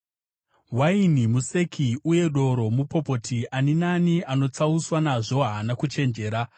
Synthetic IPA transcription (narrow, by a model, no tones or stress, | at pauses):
wainimuse̞kʰiuje̞ɗo̞ɾo̞mupo̞po̞tʰiʔaninaniʔano̞t͡sauswanaʐo̞ɦanakut͡ʃe̞nd͡ʒe̞ːɾa